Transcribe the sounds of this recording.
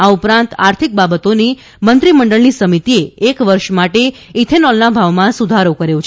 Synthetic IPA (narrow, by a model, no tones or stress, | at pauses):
aupɾãnt̪aɾt̪ʰik̚babət̪oni | mənt̪ɾiməɳɖəɭnisəmit̪ieːkʋəɾʃmaʈeit̪ʰenɔlnabʱaʋmãsud̪ʱaɾokəɾjõt͡ʃʰ